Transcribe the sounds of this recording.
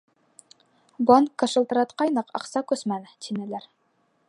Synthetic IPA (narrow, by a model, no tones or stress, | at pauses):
bɑnkːɤ̆ʃɤ̆lˠt̪ɤ̆ɾɑt̪qɑjnɤqɑ̰qsɑkɵsmælt̪ʰinɘ̆læɾ